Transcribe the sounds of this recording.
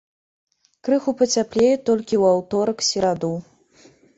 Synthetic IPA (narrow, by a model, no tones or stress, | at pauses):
kɾɨxupɐt͡sʲaplʲejɛt̪ɔlʲkʲiwawt̪ɔɾɐksʲiɾad̪u